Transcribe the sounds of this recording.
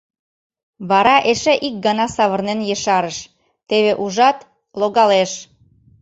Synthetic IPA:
βɑɾɑʔeʃeʔik̚ɡɑnɑsɑβərnenjĕʃɑɾəʃ | t̪eβeʔuʒɑt̪ | loɣɑleʃ

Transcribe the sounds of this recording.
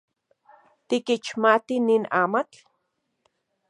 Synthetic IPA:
t̪ikit͡ʃmat̪ininaːmat͡ɬ

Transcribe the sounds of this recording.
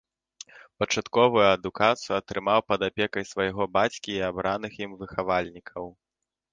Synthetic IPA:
pɐt͡ʂat̪kɔvujuɐd̪ukat̪sɨjuɐt̪ɾɨmawpɐd̪apʲɛkɐjsvajɛɣɔbat͡sʲkʲiːabɾanɨximvɨxavalʲnʲikʰɐw

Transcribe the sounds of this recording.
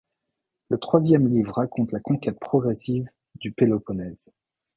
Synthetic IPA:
lət̪χwazjɛmlivʁːakɔ̃t̪lakɔ̃kʲɛt̪̚pχɔɡʁɛsiv | d̪ypelɔpɔnɛz

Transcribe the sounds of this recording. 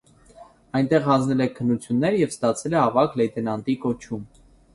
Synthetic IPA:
ɑjnt̪ɛʁhɑnd͡znɛlɛkʰənːut͡sʰjunːɛɾjɛvst̪ɑt͡sʰɛlɛɑvɑklɛjt̪ʰɛnɑnt̪ikɔt͡ʃʰum

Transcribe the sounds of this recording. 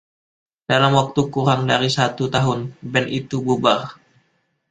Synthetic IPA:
d̥alamwak̚t̪ukuɾaŋdaɾisat̪ut̪aɦʊnbɛnit̪ububar

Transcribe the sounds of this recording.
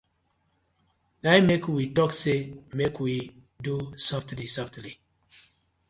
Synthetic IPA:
najmekwitɔksemekwi | dusɔftlisɔftli

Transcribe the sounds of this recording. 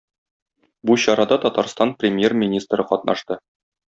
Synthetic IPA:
buɕɒɾɑd̪ɑt̪ɒt̪ɑɾst̪ɑnprʲɪmʲjermʲinʲist̪rɤqɒt̪̚nʔɑʃt̪ɤ

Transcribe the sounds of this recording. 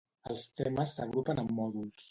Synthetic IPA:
əlˠst̪ɛməsːəɣ̞ɾupənəmːɔðulˠs

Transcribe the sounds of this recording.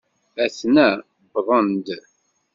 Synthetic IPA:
æθnæ | bðˤənd̪

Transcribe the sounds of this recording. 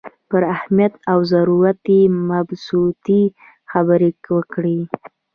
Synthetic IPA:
pəɾahmijat̪awzaɾuɾat̪emabsut̪i | xabəɾewəkɽi

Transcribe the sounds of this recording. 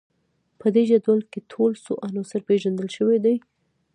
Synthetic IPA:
pəd̪eʒad̪alket̪ʰolsoʔanosɪɾpeʒand̪əlʃəwed̪aj

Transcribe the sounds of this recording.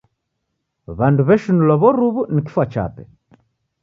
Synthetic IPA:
βanduβɛʃunulwaβɔɾuβuniki̥fwat͡ʃa̰pɛ

